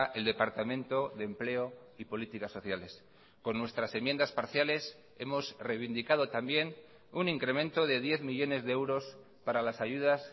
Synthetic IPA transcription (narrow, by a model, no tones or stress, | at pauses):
ʔe̞ld̪e̞paɾt̪amẽ̞nt̪o̞ðe̞ːmple̞o | ipo̞lit̪ikasːo̞θjale̞s | ko̞nːwe̞st̪ɾase̞mje̞nd̪aspaɾθjale̞s | e̞mo̞srejβind̪ikað̞o̞t̪ambje̞n | uniŋkɾe̞mẽ̞nt̪o̞ðe̞ð̞je̞θmiʎo̞ne̞zðeewɾo̞s | paɾalasaʝuð̞as